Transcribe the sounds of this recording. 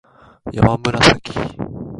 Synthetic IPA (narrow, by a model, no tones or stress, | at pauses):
ja̰mambənasaki̥